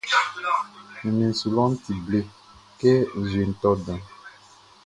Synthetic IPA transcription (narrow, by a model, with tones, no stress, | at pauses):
ni˨nĩ˨n̩˨su˨lɔ̃˦n˦ti˨ble˦ | ke˦˨ze˨n̩˨tɔ˦dã˨